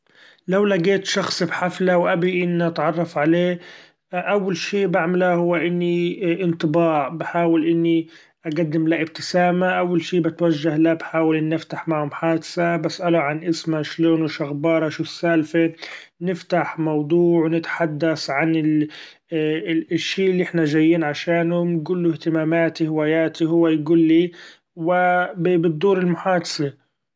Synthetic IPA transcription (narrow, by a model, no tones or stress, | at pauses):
lawlaɡeːt̪ʃɑxsˤbħaflawʔabiʔɪnːiʔat̪ʕɑrˤːɑfʕaleː | ʔawːalʃiːbaʕmalahʊwːaʔɪnːiʔɪnt̪ˤɨbɑːʕbɪħaːwɪlʔɪnːi | ʔaɡad̪ːɪmlaʔɪb̚t̪ɪsaːmaʔawːalʃiːbɪt̪waʒːahlabħaːwɪlʔɪnːɪft̪aħmaʕhʊmħaːd̪sabasʔaluʕanʔɪsmaʃloːnwɪʃaɣbɑːɾˤɑʃuːsalfe | nɪft̪aħmɑwd̪ˤuːʕwnɪt̪ħad̪ːasʕanɪ | ʃːiːʔɪlːiʔɪħnaʒajːiːnʕaʃaːnhʊmɡuːlːʊht̪ɪmaːmaːt̪ihɪwaːjaːt̪iɦʊwːajɡuːlːi | wɪbɪbɪd̪ːuːɾɪlmʊħaːd̪ḁsa